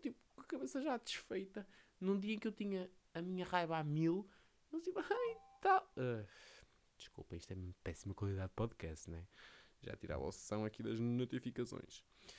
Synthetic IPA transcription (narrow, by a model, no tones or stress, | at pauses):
t̪ipu̥ɐkɐβesɐʒad̪ɨʃfejt̪ɐ | nũd̪iɐẽkewt̪iɲɐːmiɲɐʁajβamilˠ | elˠt̪ipɐat̪alˠɛ | d̪̥ɨʃkṵlˠpɐ̃iʃt̪ɛmipɛsimɐkwɐlˠiðaðd̪ːpɔðkɛst̪nw̃ɛʒa̰t̪iɾa̰va̰sɨ̥sɐ̃w̃ɐkiðɐ̰ʒnut̪ifikɐsõ̰j̃ʃ